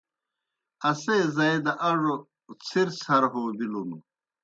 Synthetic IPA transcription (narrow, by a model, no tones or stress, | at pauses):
ɐsezɐjd̪ɐʔɐʐo | t͡sʰiɾsɐɾɦoːbilunu